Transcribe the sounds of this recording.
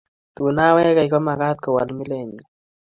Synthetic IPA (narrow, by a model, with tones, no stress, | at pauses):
t̪u˨na˦wɛ˦ɣa˨jko˦maɣa˦t̪̚ko˨walmi˦le˨ɲi˨